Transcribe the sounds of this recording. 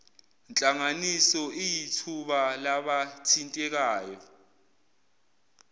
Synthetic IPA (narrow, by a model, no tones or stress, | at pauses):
nt͡ɬʼaŋanisɔʔijitʰuɓalaɓatʰintʼɛk̬aːjɔ